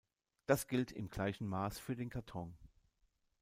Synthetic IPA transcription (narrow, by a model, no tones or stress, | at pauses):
d̥asɡ̥ɪltʰɪ̰mɡ̥laɪçn̩maːsfyːɐdeːnkʰaɐtʰɔŋ